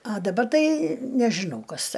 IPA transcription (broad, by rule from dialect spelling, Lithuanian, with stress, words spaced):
ɐ dɐˈbɐr ˈtɐɪ nʲɛʒʲɪˈnɐʊ ˈkɐs